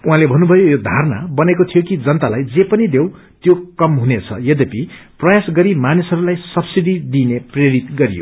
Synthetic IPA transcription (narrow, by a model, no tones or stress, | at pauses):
uɦãlebʱʌnːubʱʌjojod̪ʱarna̰bʌnekot̪ʰijokid͡zʌnt̪alajd͡zepʌnid̪ew̃ | t̪jokʌmɦunet͡sʰʌ̰jʌd̪epiprʌjasɡʌɾimanisɦʌɾulajsʌbsiɽid̪inepreɾit̪ɡʌɾijo̰